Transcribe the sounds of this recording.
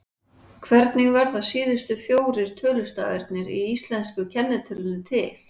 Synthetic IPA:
kʰvɛɾt̪nɪɣvɛɾðaðsiːðʏst̪ʏfjoːwɾɪɾ̥t̪ʰœːlʏst̪aœɾt̪̚nɪɾiist̪lɛnskʏcʰɛnːɪt̪ʰʏlʏnʏt̪ʰɪl̥

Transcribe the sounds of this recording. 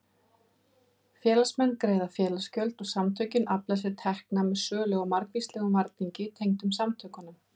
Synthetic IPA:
fjɛːlasmɛnːkɾeːjðafjɛːlascœlt̪ɔɣsamt̪ʰœɥcɪnaplas̬ɪt̪ʰɛhknamɛðsœːlɛɣɔmaɾkvist̪lɛɣʏmvaɾt̪niɲcɪt̪ʰejŋt̪ʏmsamt̪ʰœkanʏm

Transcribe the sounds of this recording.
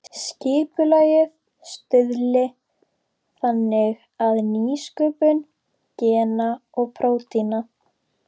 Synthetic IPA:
scɪːpʏlaːjɪð | st̪ʏðlɪ | θanːɪɣ | aðniːskʏːpʏn | cɛːnaɔɣpʰɾoːwt̪ina

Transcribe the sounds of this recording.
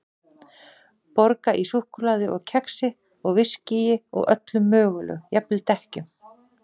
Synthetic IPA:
pɔɾkaʔisuhkʏlaːðʏʔɔɣcʰɛksɪ | ɔɣvɪscijɪɔ̰ɣœ̰t̪lʏmːœːɣʏlʏ̰jɛplɪt̪ɛhcʏm

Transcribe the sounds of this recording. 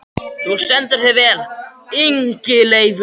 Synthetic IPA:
θust̪ɛnt̪ʏɾ̥θɛvɛːliŋcɪlejv

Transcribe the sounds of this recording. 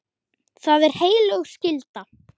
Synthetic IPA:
θaðɛɾ̥heːjlœɣscɪlt̪a

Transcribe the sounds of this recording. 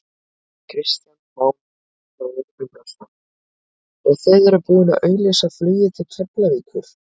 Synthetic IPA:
kʰɾɪst̪janmaːwm | aːwðɪnʏpɾast̪a | ɛðθœɥðɛɾʏɾpuːðɪnaðʔœːɥlɛsaflyːjɪt̪ʰɪlt̪ʰœplaviːkʰʏɾ̥

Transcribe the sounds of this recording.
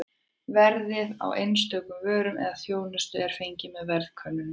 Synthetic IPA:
vɛɾðɪða̰wʔejnst̪œːkʏmvœːɾʏmʔɛ̰ðaθjoːwnast̪ʏɛɾ̥fejɲcɪmɛðvɛɾð̥kʰœnːʏn

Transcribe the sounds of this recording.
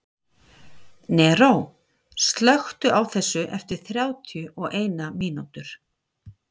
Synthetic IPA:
nɛɾow | st̪lœxt̪ʏʔawθɛsːʏʔɛft̪ɪɾ̥θɾjaːwt̪ʰjʏʔɔɣeːjnamiːnut̪ʏɾ̥

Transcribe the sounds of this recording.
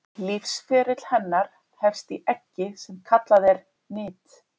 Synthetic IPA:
lifsfɛːɾɪt̪l̥hɛnːaɾ̥ | hɛfst̪iʔɛhcːɪsɛmkʰat̪laðɛɾ | nɪːt̪

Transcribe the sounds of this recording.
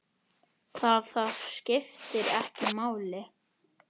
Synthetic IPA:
θaðθaðscɪft̪ɪɾɛhcɪmaːwlɪ

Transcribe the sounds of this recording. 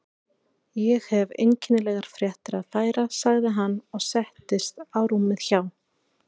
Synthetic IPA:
jɛɣhɛvḛjɲcɪnɪlɛɣaɾ̥fɾjɛht̪ɪɾaðfaːjɾasaɣðɪɦanːɔɣsɛht̪ɪst̪aːwɾumːɪðçaw

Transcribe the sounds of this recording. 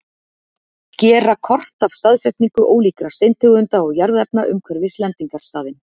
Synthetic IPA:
cɛːrakʰɔr̥t̪av̥st̪aðsɛht̪niŋkʏʔoːwliːkɾast̪ejnt̪ʰʏɣʏnt̪aɔɣjaɾðɛpnaʔʏ̰mkʰvɛɾvɪst̪lɛnt̪iŋkaɾ̥st̪aːðɪn

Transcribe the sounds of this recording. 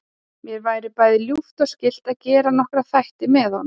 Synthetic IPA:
mjɛɾvaːjɾɪpaːjðɪljuft̪ascɪl̥t̪aðcɛːɾanɔhkɾaθajht̪ɪmɛðhɔn

